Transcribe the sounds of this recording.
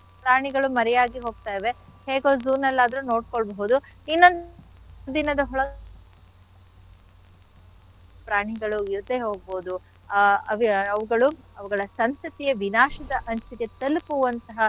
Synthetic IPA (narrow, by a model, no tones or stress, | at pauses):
pɾaːɳiɡɐɭumɐɾɛjaːɡiɦo̞ːɡ̚t̪aːjʋe̞heːɡoːzuːnːɐlːaːd̪ɐɾuno̞ːɽkoɭbɐɦud̪uinːon | d̪inɐd̪ɐɦɔɭɐ | pɾaːɳiɡɐɭuiɾut̪ːeːɦoːɡ̚boːd̪u | ɐʋiɐʋuɡɐɭuɐʋuɡɐɭɐsɐnsɐt̪ijɐʋinaːʃɐd̪ɐʔɐɲt͡ʃɐket̪ɐlpuʋɐnt̪ɐɦɐ